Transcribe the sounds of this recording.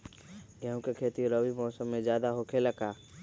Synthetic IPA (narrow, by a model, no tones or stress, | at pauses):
ɡɛɦũkekʰeːt̪iɾəʋimɔːsəmːẽzjaːd̪aɦokʰeləkʰaː